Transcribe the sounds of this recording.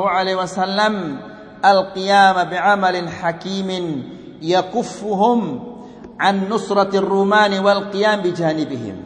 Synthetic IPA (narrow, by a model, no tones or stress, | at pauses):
ʕalaːwasalːam | ʔalqɨjaːmabɪʕamalɪħakiːmɪn | jakʊfːʊɦʊm | ʕanːʊsɾˤɑrːuːmaːnwalqɨjaːmbɪd͡ʒaːnɪbɪhɪ̰m